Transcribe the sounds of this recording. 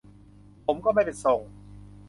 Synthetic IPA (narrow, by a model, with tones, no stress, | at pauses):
pʰo˩˦mkɔː˥˩ma˥˩jpe˨˩nso˨˩ŋ